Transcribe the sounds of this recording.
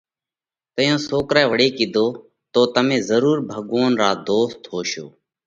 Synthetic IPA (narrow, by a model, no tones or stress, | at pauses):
t̪əjõːsoːkɾɛːʋəɽeːkɪd̪ʱoː | t̪oːt̪əmẽːzəɾuːɾbʱəɠʋoːnɾaːd̪oːst̪ʰɦoːʃoː